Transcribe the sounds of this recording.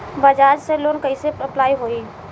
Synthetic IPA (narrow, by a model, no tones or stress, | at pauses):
bəd͡ʒaːd͡ʒseloːnkəɪsepɾəplaːiɦoːi